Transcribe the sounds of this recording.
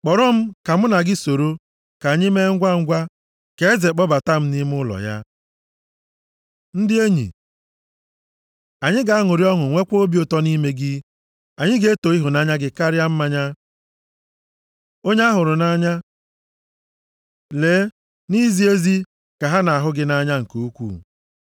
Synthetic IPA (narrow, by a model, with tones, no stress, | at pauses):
k͡pɔ˨ɾʊ˦m̩˦ka˨m̩˦na˨ɡɪ˦so˨ɾo˦ | ka˨ɲɪ˦me˦ŋ̩˦ɡʷa˦ŋ̩˦ɡʷa˦ | ke˨˦e˦ze˨k͡pɔ˦ba˨ta˦m̩˦ni˦m˦ʊ˦lɔ̰˨ja̰˦ | n̩˦dɪ˦e˦ɲḭ˨ | a˨ɲɪ˦ɡa˨a˦ŋʊ˨ɾi˦ɔ˦ŋʊ˨ŋʷe˦kʷo˦bi˦o˦tɔ˦ni˦me˦ɡɪ˦ | a˨ɲɪ˦ɡe˦e˦to˨i˦ɦʊ˨na˦ɲa˦ɡɪ˦ka˦ɾɪ˦a˦m̩˦ma˦ɲa˦ | o˦ɲa˦a˦ɦʊ˨ɾʊ˨na˦ɲa˦ | le˨˦ | ni˦zi˦e˦zi˦ | ka˨ɦa˦na˨a˨ɦʊ˦ɡɪ˦na˦ɲa˦ŋ̩˨ko˦kʷṵ˦˨